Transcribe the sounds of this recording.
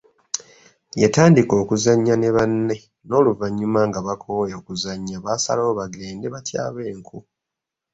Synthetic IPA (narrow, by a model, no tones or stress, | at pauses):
jetaːndiko̞ːkuzaɲːane̞βanːe̞ | no̞ːluvaɲːumaŋɡaβakʰoːjoːkuzaɲːaβasa̰loːβaɡe̞ːnde̞βatja̰ːβe̞ːŋkʰu